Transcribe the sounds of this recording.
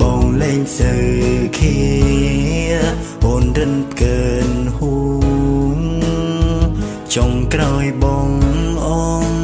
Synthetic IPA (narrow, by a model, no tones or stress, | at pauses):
ɓɑːŋlɛːɲsɨwkʰi | ə | ʔoːnrɨnpʰkəːnhu | ŋ | t͡ɕoŋkraɔjɓɑːŋʔɔːn